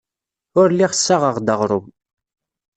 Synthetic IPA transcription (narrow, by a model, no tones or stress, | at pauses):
ʊɾliʁəsːaʁəʁd̪əʁɾˤʊm